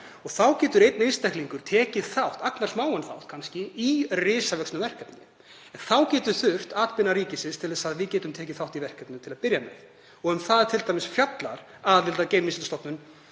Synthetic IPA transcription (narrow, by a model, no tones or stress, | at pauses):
ɔɣθawcɛːt̪ʏɾejt̪̚nejnst̪ɛjhkliŋkʏɾ̥t̪ʰɛːcɪðθawht̪aknar̥smaːwanθa̰wht̪̚kʰanscɪirɪːsavœksnʏvɛr̥kat̪n | ɛnθawcɛːt̪ʏɾθʏr̥t̪aːt̪pɪnaɾiːcɪsɪnst̪ʰɪlðɛsaðvɪðcɛːt̪ʏmt̪ʰɛːcɪθawht̪ivɛr̥kɛt̪nʏt̪ʰɪlaðpɪɾjamɛ̰ð | ɔɣʏmθaðt̪ʰɪlt̪ajmɪsfjat̪laɾ̥ | alɪlt̪aceːjmɪsɪnst̪ɔwpnʏn